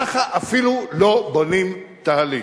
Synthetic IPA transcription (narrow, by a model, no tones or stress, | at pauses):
aχaʔafilulobonimt̪aali